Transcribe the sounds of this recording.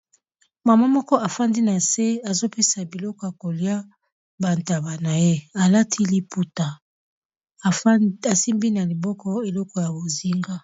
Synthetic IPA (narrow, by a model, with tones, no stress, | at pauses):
ma˨ma˦mɔ˦kɔ˦a˨fa˦ndi˦na˨se˦a˨zo˦pe˦sa˨bi˨lɔ˦kɔ˨˦ja˨ko˨lja˦ | ba˨nta˨ba˨na˨je˦a˨la˦tʰi˦li˦pu˨ta˨ | a˨si˦mbi˦na˨li˨bɔ˦kɔ˦e˨lɔ˦kɔ˨ja˨bo˨zi˦ŋɡa˦